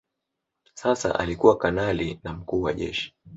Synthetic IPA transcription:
sasa̰ʔa̰likuwakanalinam̩kuːwaʄɛ̰ʃi̥

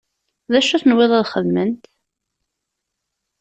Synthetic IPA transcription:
ðæʃuθənwɪðˤɑðχəðmənt̪

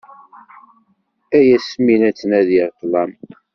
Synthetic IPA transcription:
æjæsminæt͡sːənæðit̪ːlɑm

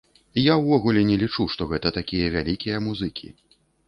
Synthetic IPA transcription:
jawːɔɣulʲɛnʲɛlʲit͡ʂuʂt̪ɔɣɛt̪ɐt̪akʲijɐvʲalʲikʲijɐmuzɨkʲʰḭ

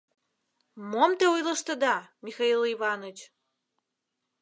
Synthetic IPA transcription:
momt̪eujlə̆ʃt̪ə̆d̪ɑmʲixɑiliβɑnot͡ɕ

